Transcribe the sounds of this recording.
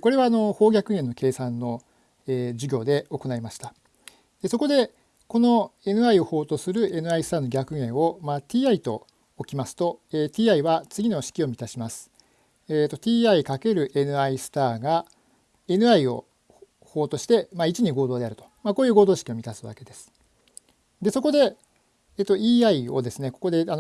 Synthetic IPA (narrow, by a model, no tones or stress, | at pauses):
ko̞ɾe̞βaːno̞ho̞ːɡʲakɯ̟ɡẽ̞nːoke̞ːsãnːo̞ | eːd͡ʑɨɡʲo̞ːd̪e̞o̞ko̞naimaɕi̥t̪a | d̪̥e̞so̞ko̞d̪e̞ | ko̞no̞e̞nɯ̟aio̞ho̞ːt̪o̞sɨɾɯ̟e̞nɯ̟aisɨ̥t̪aːno̞ɡʲakɯ̟ɡẽ̞ɰ̃o̞mat̪ʲiːait̪o̞̰ | okʲimasɨ̥t̪o̞et̪ʲiːaiβat͡sɨɡʲino̞ɕi̥kʲio̞mʲit̪aɕimasɨ̥ | et̪ːo̞t̪ʲiːaikake̞ɾɯ̟ʔe̞nɯ̟aisɨ̥t̪aːɡa | e̞nɯ̟aio̞̰ | ho̞ːt̪o̞ɕi̥t̪e̞mait͡ɕiɲ̟iɡoːd̪o̞ːd̪e̞aɾɯ̟t̪o̞̥mako̞ːjɯ̟ːɡo̞ːd̪o̞ːɕi̥kʲio̞mʲit̪asɨβa̰ke̞d̪e̞sɨ̥ | d̪e̞so̞ko̞d̪e̞ | eːt̪ːo̞iːaio̞d̪e̞sɨne̞ko̞̥ko̞d̪e̞ano